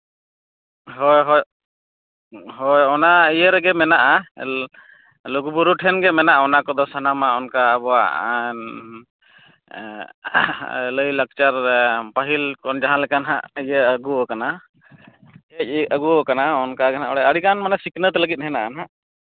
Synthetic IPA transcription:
ɦɔjɦɔj | ɦɔjɔnaijəɾɛɡɛmɛnaʔa | lɔɡubuɾuʈʰɛnɡɛmɛnaʔɔnakɔd̪ɔsanamaɔnkaːbɔwa̰ʔ | ləjlək̚t͡ʃaɾpaɦilkɔnd͡ʒaɦãlɛkanɦa̰ʔijəəɡuɔkana | ɛc̚əɡuɔkanaɔnkaɡɛnaʔɔɽɛəɽikanmanasiknət̪ɛləɡit̪̚ˀɦɛna̰ʔanɦaʔ

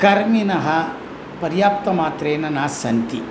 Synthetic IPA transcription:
kɐɾminɐɦɐ | pɐɾjaːp̚t̪ɐmaːt̪ɾeːnɐnaːsɐnt̪i

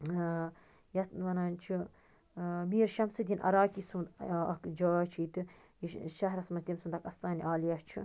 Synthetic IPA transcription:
jɐt̪ʋɐnaːnt͡ʃʰi | miːɾʃɐmsɨd̪inʔɐ̰ɾaːkiːsumd̪ɐ̰kd͡ʒaːt͡ʃʰiːt̪ɨ | jiʃɐɦɾɐsmɐsd̪ʲimsumd̪ɐkɐst̪aːniʔaːliɐt͡ʃʰḭ

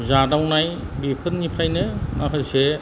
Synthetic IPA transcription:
zadawnaj | bipʰɯtnipʰajnɯmakʰaɾse

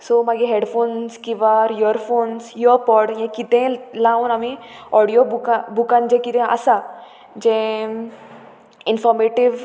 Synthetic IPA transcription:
somaɡiɦeɖfonskiʋaɾjoɾfoːnsjɔpɔɾɽjẽkit̪ẽlaũnamiɔɽijobukabukãnd͡ʑẽkit̪ẽʔa̰sa | d͡ʑẽ | infɔɾmeʈiʋ

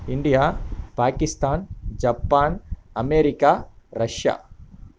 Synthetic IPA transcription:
iɳɖijaːpaːkist̪aːnd͡ʒɐpːaːnɐmeːɾikaɾɐʂja̰ː

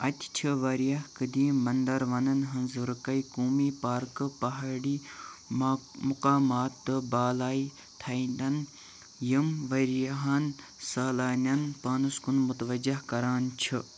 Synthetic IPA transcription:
ɐt̪ʰʲt͡ʃʰiʋɐɾjɐhkɨd̪iːmɐnd̪ɐɾʋɐnɐnɦɐnzɨɾɨkɐikuːmiːpaːɾkɨpɐɦɐɽiː | mʊqaːmaːt̪ːɨbaːlaːi | t̪ʰɐind̪ɐn | jimʋɐɾjɐɦɐn | saːlaːnʲɐnpaːnuskunmut̪ʋɐd͡ʒɐhkɐɾaːnt͡ʃʰi

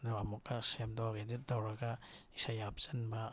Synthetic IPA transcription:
nawamɔk̚asamdawaɡenit̚dawɾaɡaisajap̚z̥anma

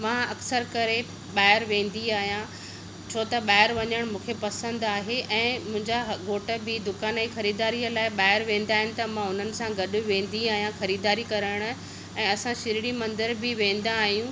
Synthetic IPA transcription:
mãːɐksəɾkɐɾe | ɓaːɦɪɾʋẽːn̆d̪iaːɦijã | t͡ɕʰoːt̪ɐɓaːɦɪɾʋɐɲəɽ̃mũːkʰepɐsə̃nd̪aːɦeʔɛ̃ːmʊ̃ɦɪ̃ɲd͡ʑaɡoːʈə̆bɪd̪ʊkaːnɛ̃xɐɾiːd̪aːɾijəlaːɪɓaːɪɾʋẽːn̆d̪aːɦɪnɪ̆t̪ɐmãʊn̤ənɪ̆sãɡɐɗʊ̆ʋẽːn̆d̪iaːɦijãxɐɾiːd̪aːɾikɐɾəɽ̃ʊ | ɛ̃ːɐsãʃɪɾɪɽ̃imɐ̃nd̪əɾbɪʋẽːn̆d̪ãːɦijũ

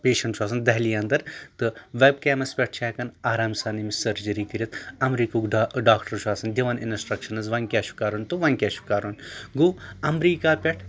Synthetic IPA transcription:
pʲeːʃɐɳʈt͡ʃʰaːs̬ɐnd̪ɐɦliːɐnd̪ɐɾt̪ɨʋeb̚keːmɐspʲeʈ̚ʰt͡ʃʰaːkɐnaːɾaːmsaːnimisɐɾd͡ʒɐɾiːkɨɾʲit̪ɐmɾiːkuɡɖɖaːkʈɐɾt͡ʃʰuaːsɐnd̪ʲiʋɐnḭnsʈɾɐkʃɐnɐzʋɐŋkʲaːʃu̥kaːɾunʲt̪uʋɐŋʲkʲaːʃu̥kaːɾunɡuːɐmɾiːkaːpʲeʈʰ

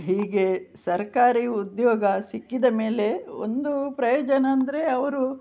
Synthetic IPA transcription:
ɦiːɡe̞sɐɾkaːɾiːud̪joːɡɐsikːid̪ɐme̞ːle̞o̰nd̪upɾɐjoːd͡ʒɐnɐːnd̪ɐɾe̞ɐʋɐɾu

